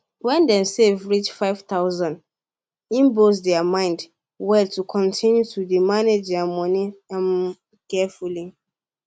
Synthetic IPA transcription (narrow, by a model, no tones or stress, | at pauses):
wɛ̃ndɛ̃nsevɹit͡ʃfaɪv̥t̪aʊzãnd | ĩmbosdɛəmãɪ̃nd | wɛltukʰɔ̃ntʰĩnjutʰudimaned͡ʒdɛəmɔniãn | kɛfuli